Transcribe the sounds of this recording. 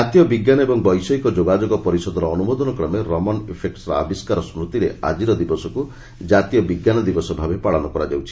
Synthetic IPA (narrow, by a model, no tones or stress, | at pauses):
at̪ijɔbiɡjanɔebɔŋbɔjsɔikɔd͡ʒoɡad͡ʒoɡɔpɔɾisɔd̪ɔɾɔːnumod̪ɔnɔkɾɔmeɾɔmɔnepʰek̚ʈsɾɔa̰biskaɾɔsmɾut̪iɾea̰d͡ʒiɾɔd̪ibɔsɔku | d͡ʒat̪ijɔbiɡjanɔd̪ibɔsɔbʱabepaɭɔnɔkɔɾad͡ʒawt͡ʃʰi̥